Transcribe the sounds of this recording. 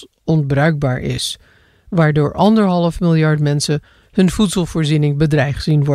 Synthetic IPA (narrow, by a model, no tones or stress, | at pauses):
ɔnbrœɥɡ̚baːɹʔɪ̰s | ʋaːɹdoːɹʔɑndəɹɦɑlˠəfmɪlˠjɑɹtmɛnsən | ɦɵnvutsəlˠv̥ʊːɹzinɪŋbədrɛjχz̥inʋɔ